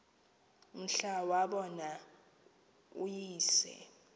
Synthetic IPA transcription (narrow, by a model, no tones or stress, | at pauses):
m̩ɬawaɓɔna | ṵjiːsɛ̰